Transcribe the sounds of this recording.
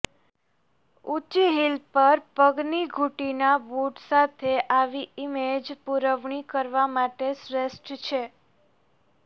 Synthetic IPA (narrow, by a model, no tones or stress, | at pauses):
ut͡ʃiɦilpəɾpəɡniɡʱuʈinabuʈsat̪ʰeʔaʋiimed͡ʒpuɾəʋɳ̃ikəɾʋamaʈesɾesʈt͡ʃʰe